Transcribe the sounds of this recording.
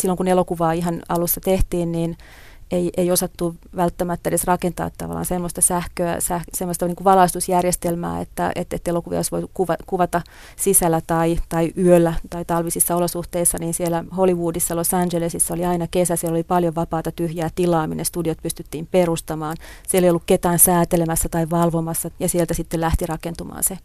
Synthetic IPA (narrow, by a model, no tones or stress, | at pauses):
silːoŋkunelokuʋɑːiɦɑnɑlusːɑt̪eht̪iːnniːn | eiʔeiosɑt̪ːuʋælt̪ːæmæt̪ːæedesrɑkent̪ɑ̰ːt̪ːɑ̰ʋɑ̰lːˑɑ̰ːnsemːost̪ɑsæhkøæ̰sæhsemːost̪ɑniŋkuʋʋɑlɑist̪usjærjest̪elmæ̰ːḛt̪ːæ̰ḛt̪ːet̪ːelokuʋḭɑ̰osʋoikuʋɑkuʋɑt̪ɑ | sisælːæt̪ɑit̪ɑiʔyølːæt̪ɑit̪ɑlʋisisːɑolosuht̪eisːɑniːnsielæholiʋuːdisːɑlosɑnʲd͡ʒelesisːɑoliɑinɑkesæsielolipɑljoʋɑpɑːt̪ɑt̪yhjæːt̪ilɑːmḭnḛst̪udiot̪pyst̪yt̪ːiːmperust̪ɑmɑːnsielːeijolːukket̪æːnsæːt̪elemæsːæt̪ɑiʋʋɑlʋomɑsːɑjɑsielt̪æsit̪ːelæht̪irɑkent̪umɑ̰ːnse